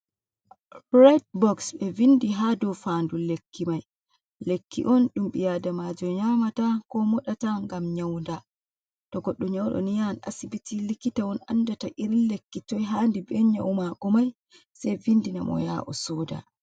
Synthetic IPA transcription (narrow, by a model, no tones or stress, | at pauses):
ɾɛt̚bɔksɓɛvindiɦadɔfandulekʰːimaj | lekːḭʔɔnɗumɓijadamad͡ʒɔɲamatakɔmɔɗataŋɡamɲawnda | tɔɡɔɗːɔɲawɗɔ̰nijana̰sibitilikitawɔna̰nːdataʔiɾilekːitɔjɦaːndibɛɲawmaɡɔmaj | sɛjvindinamɔ̰jaʔɔ̰sɔːda̰